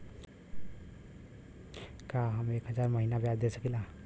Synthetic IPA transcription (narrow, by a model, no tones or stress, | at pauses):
kaɦəmekɦəd͡ʒaɾməɦinabjad̪esəkila